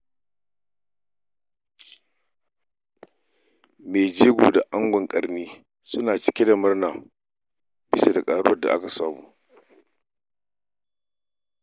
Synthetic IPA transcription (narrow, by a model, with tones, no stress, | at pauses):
me˨d͡ʒeː˦ɡʷuː˨da˨ʔa˦ŋɡʷɔ˨ŋkʼɐ˨rniː˦ | sʊ˦naː˨t͡ʃɪ̥˦kʲe˦da˨mɐ˦rnaː˨ | bɪ˦sa˦da˨kʼaː˨ɽʊ˦ɐ˦˨da̰˨ʔa̰˦ka˨saː˨muː˦